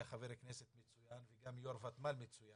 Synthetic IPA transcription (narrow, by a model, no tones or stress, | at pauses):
aχaveɾekneset̪met͡sujanveɡamjoɾvat̪malmet͡suja